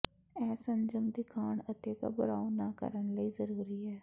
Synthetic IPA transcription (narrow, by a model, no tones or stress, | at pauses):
ɛːsə̃nd͡ʒəmd̪ɪkʰaːɳət̪eka̰bʊɾaːonaːkə̰ɾənləizəɾuːɾiɦɛː